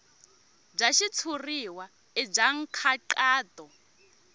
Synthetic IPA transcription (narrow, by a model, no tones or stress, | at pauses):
b͡ʐaʃit͡sʰuriwa | ib͡ʐaŋ̩kʰaǃaːt̪ʼɔ